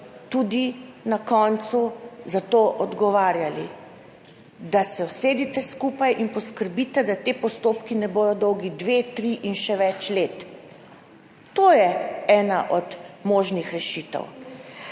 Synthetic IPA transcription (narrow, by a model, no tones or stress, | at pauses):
t̪ud̪inakɔnt̪suzat̪oːʔɔd̪ɡɔʋaːɾjali | d̪asɛwseːd̪it̪ɛskupajʔinpɔskəɾbit̪ɛd̪at̪eːpɔst̪oːpkinɛboːd̪ɔd̪ɔwɡid̪ʋeːt̪ɾiʔinʃɛʋɛt͡ʃleːt̪ | t̪oːjɛɛːnaʔɔd̪moːʒnixɾɛʃiːt̪ɛ̰w